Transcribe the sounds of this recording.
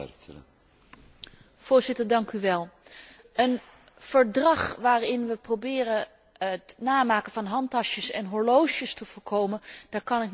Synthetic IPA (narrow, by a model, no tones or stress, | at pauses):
v̥ʊːɹzɪtəɹdɑŋkyʋɛlˠ | ən | v̥əɹdrɑχʋaːrɪnʋəprowbɪːɾə | ətnaːmaːkəv̥ɑnɦɑntɑʃəsɛnɦɔɹlowʃəstəv̥ʊːɹkʰowmənd̥aːɹkɑnɪk